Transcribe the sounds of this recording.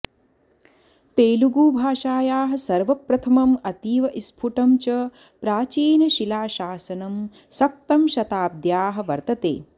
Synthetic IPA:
t̪eːluɡuːbʱaːʃaːjaːɦɐ̆sɐɾʋɐpɾɐt̪ʰɐmɐmɐt̪iːʋɐʔispʰuʈɐmt͡ʃɐ | pɾaːt͡ʃiːnɐʃilaːʃaːsɐnɐm | sɐp̚t̪ɐmʃɐt̪aːb̚d̪jaːɦɐ̆ʋɐɾt̪ɐt̪ḛː

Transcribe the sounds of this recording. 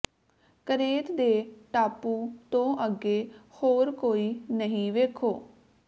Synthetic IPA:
kəɾeːt̪d̪eːʈaːpuːt̪õːʔəɡeːhoːɾkoːiːnəɦĩːʋeːkʰoː

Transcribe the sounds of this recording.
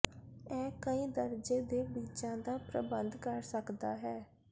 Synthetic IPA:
ɛːkəĩːd̪əɾd͡ʒeːd̪eːbiːt͡ʃãːd̪aːpɾə̰bənd̪kəɾsəkd̪aːɦɛː

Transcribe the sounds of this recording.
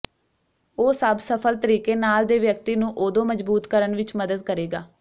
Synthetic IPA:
oːsəbsəpʰəlt̪əɾiːkeːnaːld̪eːʋjək̚t̪iːnũːʔoːd̪õːməzbuːt̪kəɾənʋɪt͡ʃməd̪əd̪̚kəɾeːɡaː

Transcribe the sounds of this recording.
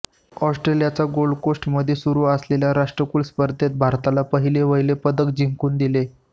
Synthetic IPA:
ɔsʈɾelijat͡saɡolkosʈməd̪ʱjesuɾuːəsleljaɾaʂʈɾəkuːlspəɾd̪ʱet̪̚bʱaɾt̪alapəɦileʋəjlepəd̪əkd͡ʑiŋkuːnd̪ile

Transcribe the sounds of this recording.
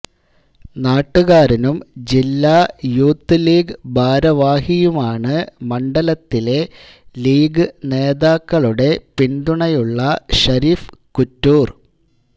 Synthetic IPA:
naːʈːuɣaːɾinumd͡ʑilːajuːt̪ːɨliːɡɨbʱaːɾɐʋaːhijumaːɳɨmɐɳɖɐlɐt̪ːile̞ | liːɡɨne̞ːðaːkːɐɭuɽe̞pind̪uɳɐjuɭːɐɕɐɾiːfkutːuːr

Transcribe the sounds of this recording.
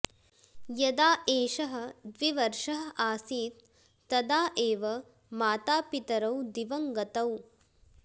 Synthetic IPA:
jɐd̪aːʔeːʃɐɦɐ̆d̪ʋiʋɐɾʂɐɦɐʔaːsiːt̪ː | ɐd̪aːʔeːʋɐ | maːt̪aːpit̪ɐɾɐwd̪iʋɐŋɡɐt̪ɐw

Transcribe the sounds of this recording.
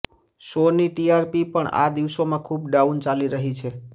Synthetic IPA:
soniʈiaɾpipəɳa̰d̪iʋsomãkʰubɖaunt͡ʃaliɾəɦit͡ʃʰe

